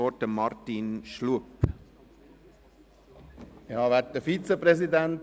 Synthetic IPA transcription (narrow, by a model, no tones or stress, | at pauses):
ɔt̚dəmɑɾtinʃluəp | jɑːʋæt̚d̥əfit͡səpɾɛs̬idænt